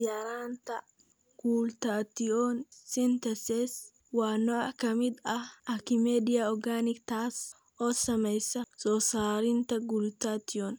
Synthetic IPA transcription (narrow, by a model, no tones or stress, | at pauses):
jaɾaːnt̪ɐ | ɡ̥uːlt̪aːt̪ɪonsɪnt̪ɐsɛs | waːnːɔɐkɐmɪd̪ɐɐkɪmed̪ɪjaɔɡanɪkt̪aːs | ʔɔsɐmɐjsɐsɔsaːɾɪnt̪ɐɡuːlt̪aːt̪ːɪon